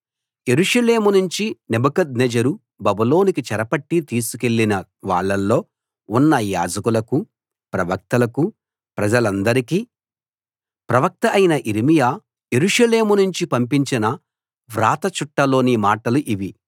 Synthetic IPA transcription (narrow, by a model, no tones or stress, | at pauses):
je̞ɾuʂɐle̞ːmunuɲt͡ʃinebɐkɐd̪ned͡ʒɐɾu | bɐbulo̞ːnikit͡ʃɐɾɐpɐʈːit̪iːsuke̞ɭːinɐʋaːɭːɐlːo̞ː | unːɐja̰ːd͡ʒɐkulɐku | pɾɐʋɐk̚t̪ɐlɐku | pɾɐd͡ʒɐlɐnd̪ɐɾikiː | pɾɐʋɐk̚t̪ɐɐjinɐʔiɾimijaː | je̞ɾuʂɐle̞ːmunuɲt͡ʃipɐmpiɲt͡ʃinɐ | ʋɾaːt̪ɐt͡ʃuʈːɐlo̞ːnimaːʈɐluʔiʋi